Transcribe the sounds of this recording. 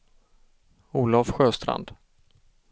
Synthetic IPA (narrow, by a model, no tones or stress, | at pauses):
uːlafɧøːst̪ɾa̰nd̪̥